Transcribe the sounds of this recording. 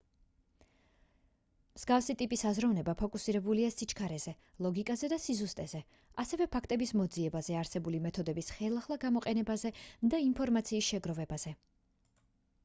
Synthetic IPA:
mz̥ɡafsit̪ʼipʼisazɾavnɛbapʰɔkʼusiɾɛbuliasit͡ʃʰkʰaɾɛz̥ɛ | lˠɔɡikʼazɛd̪asizust̪ʼɛzɛ | asɛvɛpʰakʰt̪ʼɛbismɔd̪ziɛbazɛaɾsɛbulimɛt̪ʰɔd̪ɛbisχɛlˠaχlˠaɡamɔqʼɛnɛbazɛd̪ainpʰɔɾmat̪sʰiːsʃɛɡɾɔvɛbaz̥ɛ

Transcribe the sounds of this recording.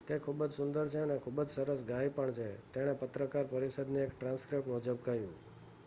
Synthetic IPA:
t̪ekʰubəd͡ʒsʊnd̪əɾt͡ʃʰeənekʰubəd͡ʒsəɾəs̬ɡajpəɳt͡ʃʰet̪eɽ̃epət̪ɾəkaɾpəɾisəd̪nũekʈɾãnskɾipmɔd͡ʒəbkəɦjũ

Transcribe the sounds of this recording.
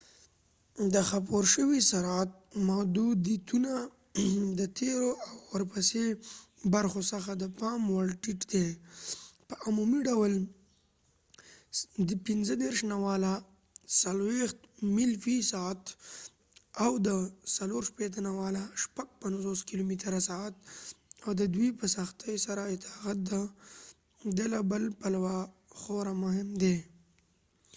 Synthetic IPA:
d̪əxap̬oɾʃəwisaɾat̪̚mad̪ud̪it̪una | d̪ət̪ʰeɾoʔawːəɾpasebaɾxosəxad̪əpɑmwaɽʈiʈd̪e | pəʔamumiɖawəl | d̪əpinzəd̪eɾʃnawɑla | salwext̪milfisaat̪ | awd̪əsaloɾʃpet̪̬anawalaʃpaɡ̚panzoskilomit̪ɾasaat̪̚awd̪əd̪wijpəsaxt̪əjsaɾaɪt̪ɑɣat̪̚d̪a | d̪elabəlpalawaxoɾamʊɦɪmd̪e

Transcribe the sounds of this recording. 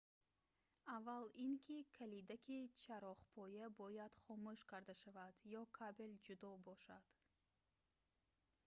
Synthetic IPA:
avːaliŋkʰikʰalid̪akʰit͡ʃʰaɾɔχpʰɔjabɔjad̪̥χɔmuʃkʰaɾd̪aʃavad̪jɔkʰabeld͡ʒud̪ɔbɔʃad̪̥

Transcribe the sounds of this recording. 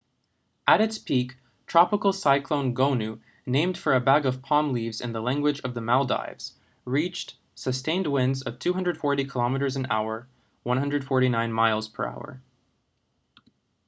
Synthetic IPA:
ʔəɾɨtspʰik | tʰɹ̥ɑpəkl̩ˠsaɪkʰlõʊ̃nɡõʊ̃nʉ | nẽɪ̃md̥fə˞ɨbæɡʌv̥pʰɑ̃mlivzɨ̰̃nðəlæ̃ŋɡwɨd͡ʒʌvðəmalˠda̰ɪvz̥ | ɹit͡ʃt | sɨstẽɪ̃nd̚wɪ̃ndzʌv̥tʰʉɦʌ̃ndɹəd̥fɔɹɾikʰəlɑmɨɾə˞zɨ̃n̩a̰ʊə˞ | wʌ̃nɦʌ̃ndɹɨd̥fɔɹɾinãɪ̃nmaɪlˠz̥pʰə̰˞a̰ʊə̰˞

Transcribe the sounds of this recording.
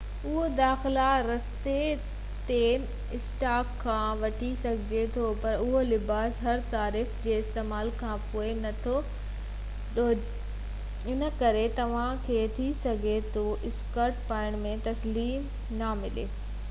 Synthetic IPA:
ʊɦod̪aːxɪlaɾɐst̪e | t̪e | ɪsʈaːkʰːãːʋɐʈʰisɐɡʱɪd͡ʑet̪ʰopɐɾʊɦolɪbaːsɦɐɾt̪aːɾiːxd͡ʑeːɪst̪eːmaːlkʰãːpoːenɐt̪ʰo | ɗod͡ʑ | ɪnə̆kɐɾet̪ɐʋ̤ãkʰeːt̪ʰisɐɡʱet̪ʰoʔɪskəɾʈpaːɪɽ̃mẽt̪ɐsliːm | namɪleː

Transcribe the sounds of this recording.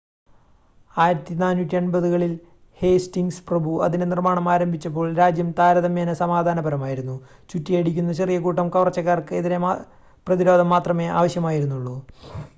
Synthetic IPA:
aːjiɾɐt̪ːinaːnːutʲːiɐɳbɐðuɣɐɭil | he̞ːstiŋɡsprɐbʱuɐ̰ðinenirmaːɳɐmaːɾɐmbʱit͡ɕːɐp̬ːo̞ːɭɾaːd͡ʑjɐmt̪aːɾɐðɐmjeːnɐsɐmaːd̪ʱaːnɐbɐɾɐmaːjiɾunːu | t͡ɕutːijɐɽikʲːunːɐt͡ɕerijɐkuːʈːɐmkɐʋrɐt͡ɕːɐkːaːrkɨeðine | prɐðiɾoːd̪ʱɐmːaːt̪rɐme̞ʔa̰ːʋɐɕjɐmaːjiɾunːuɭːu

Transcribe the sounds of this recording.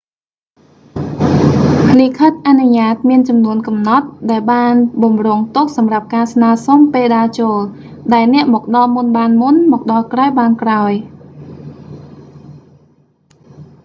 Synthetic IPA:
likʰət̪̚ʔanuɲaːt̪̚miənt͡ɕɑmnuənkɑmnɑt̪̚ɗaɛlɓaːnɓɑmroəŋt̪ʊk̚sɑmrap̚kaːsnaːəsompeːlɗaːt͡ɕoːlɗaɛlnɛ̆əʔmɔːk̚ɗɑlmunɓaːnmunmɔːk̚ɗɑlkraɔjɓaːnkraɔj

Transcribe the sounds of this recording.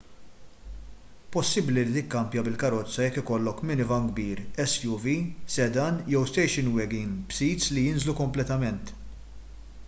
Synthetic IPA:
pɔsːɪbliɾiːt̪ɪkːɐmpjɐbɪlkɐɾɔt͡sːɐjɛkːɪkɔlːɔkmɪnɪvɐŋɡbiːɾɛsjuvisɛd̪ɐnjɛwst̪ɛjʃɪnwɛɡɪŋɡbsiːt̪slijɪnzlukɔmplɛt̪ɐmɛnt̪

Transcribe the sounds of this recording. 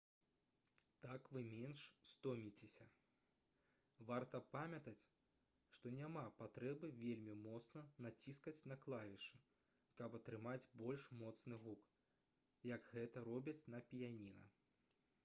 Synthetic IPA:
t̪akvɨmʲenʂst̪ɔmʲit͡sʲesʲɐ | vart̪ɐpamʲɐt̪ɐt͡sʲ | ʂt̪ɔnʲamapat̪ɾɛbɨvʲelʲmʲimɔt̪snɐnat͡sʲiskɐt͡sʲnɐklˠavʲiʂɨ | kɐpɐt̪ɾɨmad͡zʲbɔlʲʂmɔt̪snɨɣuk | jɐɡɣɛt̪ɐɾɔbʲit͡sʲnɐpʲjanʲinɐ̰

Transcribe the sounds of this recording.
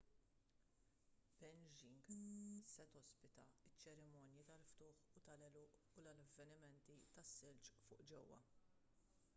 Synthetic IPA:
pɛnd͡ʒiŋɡɪsːɐt̪ɔspɪt̪ɐ̰ɪt͡ʃːɛɾɪmɔːnjit̪ɐlft̪ʊːħut̪ɐlɛlʊːʔ | ulɐlɐvːɛnɪmɛnt̪it̪ɐsːɪlt͡ʃfʊ̰ːʔd͡ʒɛwːɐ̰

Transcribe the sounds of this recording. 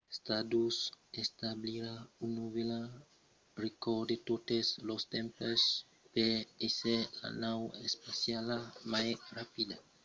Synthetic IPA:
est̪ad̪usest̪abliɾaunuβela | rekod̪et̪ot̪eslost̪ẽmpes | peesela̰nawespasjalamajrapid̪a

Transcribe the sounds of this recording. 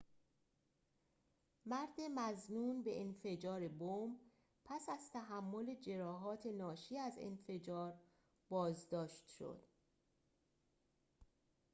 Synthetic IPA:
mæɾd̪emæznuːnbe̞ʔenfe̞d͡ʒɒːɾebom | pʰæsæz̥t̪ʰæɦæmːole̞d͡ʒe̞ɾɒːɦɒːt̪ʰe̞nɒːʃiːæzḛnfe̞d͡ʒɒːɾ | bɒːzd̪ɒːʃt̪ʃo̰d̪̥

